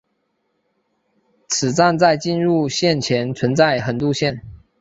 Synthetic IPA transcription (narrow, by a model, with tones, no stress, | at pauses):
t͡sʰɹ̩˨˩t͡sa˥˧nt͡sa˥˧ɪt͡ɕi˥˧nɻu˥˧ɕjɛ˥˩nt͡ɕʰjɛ˧˥nt͡sʰwə˧˥nt͡sa˥˩ɪxə˨˩nt̪u˥˧ɕjɛ˥˩n